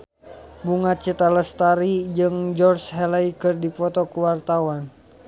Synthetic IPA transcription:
buŋat̪̚t͡ʃit̪aləst̪aɾid͡ʒɨŋd͡ʒɔrsɦɛlaikɨrdipɔt̪ɔkuwart̪awan

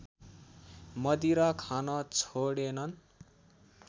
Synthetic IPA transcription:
mʌd̪iɾʌkʰanʌt͡sʰoɽenʌn

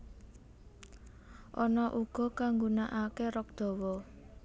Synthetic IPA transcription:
ʔɔnɔʔuɡ̥ɔ̤kaŋɡunaʔakeɾɔk̚d̪̥ɔ̤wɔ

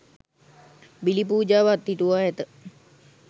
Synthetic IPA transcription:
bilip̬uːd͡ʒaːʋat̪ːiʈuʋaːɦɛt̪ə

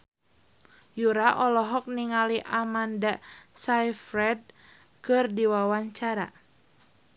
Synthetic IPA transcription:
juɾaʔɔlɔɦɔk̚niŋaliʔamandasajfɾɛd̚ | kɨrdiwawaɲt͡ʃaɾa̰

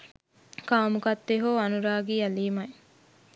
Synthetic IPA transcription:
kaːmukɐt̪ːeɦoːɐnuɾaːɡiɐliːmɐj

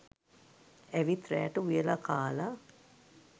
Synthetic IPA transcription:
æʋit̪ɾæ̰ːʈəujəlakʰaːla

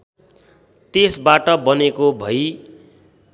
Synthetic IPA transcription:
t̪esbaʈʌbʌnekobʱʌj

